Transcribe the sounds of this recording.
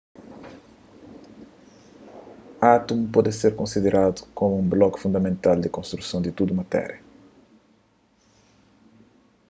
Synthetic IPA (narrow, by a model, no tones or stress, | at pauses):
at̪umpɔd̪ɪseɾkõnsid̪eɾad̪u̥komuũmblɔkfũnd̪ɐmẽnt̪ald̪ɪkõnst̪ɾusõw̃d̪ɪt̪ud̪umɐt̪ɛ̰ɾjɐ